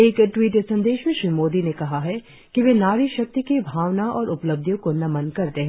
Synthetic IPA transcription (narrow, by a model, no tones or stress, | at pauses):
eːkʈwiːʈesɐ̃nd̪eːʃmẽʃɾiːmoːd̪inekɐɦaɦɛ | kiʋenaːɾiʃɐk̚t̪ikibʱaːʋnaɔːɾʔʊpləb̚d̪ʱjõkonɐmɐ̃nkɐɾt̪eɦɛ̃